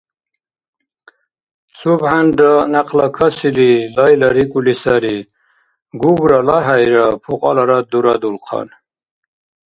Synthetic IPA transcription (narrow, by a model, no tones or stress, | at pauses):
subhanɖanaqlakʰasililajlaɾikulisaɾi | ɡuɡɾalaɦajɾapʰuqʼa̰laɾad̪uɾad̪ulqʰɑ̰n